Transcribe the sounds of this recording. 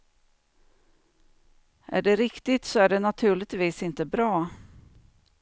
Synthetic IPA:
ʔæ̰ɖɛɾɪkt̪ɪt̪sɔæɖɛnat̪ʰʉ̟ːɭɪɡt̪viːsɪnt̪əbɾɑː

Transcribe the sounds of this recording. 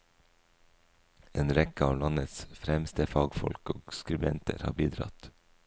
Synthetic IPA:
eːnɾɛkəɑːʋlɑnət̪sfɾɛmst̪əfɑːɡfɔ̰lkoːskɾʉbɛnt̪ə̰ɾhɑ̰ːbiːd̪ɾɑ̰t̪

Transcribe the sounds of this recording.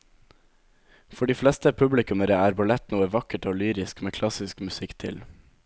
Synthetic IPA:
fɔɖiːflɛst̪əpʰʉblɪkʉməɾeːæːɾbʊlɛt̪nuːəʋɑkəʈoːlyːɾɪskmeːkʰlɑsɪskmʉsɪkt̪ʰɪ̰l

